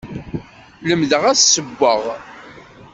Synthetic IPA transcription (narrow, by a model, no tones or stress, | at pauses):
ləmðəʁæsːəbːəʁ